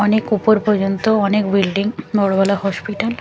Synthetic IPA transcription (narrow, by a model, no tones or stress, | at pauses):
ɔnekupoɾpɔɾd͡ʑont̪oɔnekbilɖiŋbɔɽobɛlahɔspiʈal